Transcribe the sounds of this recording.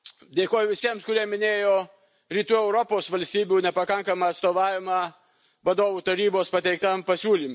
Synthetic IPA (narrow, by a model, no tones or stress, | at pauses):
d̪ʲeːkoːjʊʋʲɪsʲiɛmskʊɾʲiɛmʲɪnʲeːjoː | ɾʲiːt̪uːɛʊɾopoːsʋɐlʲsʲt̪ʲiːbʲuːnʲɛpɐkɐŋkɐmɐɐt̪st̪oːʋɑːʋʲɪmɑ | ʋɐd̪oːʋuːt̪ɐɾʲiːboːspɐt̪ʲɛɪk̚t̪ɐmpɐsʲuːlʲim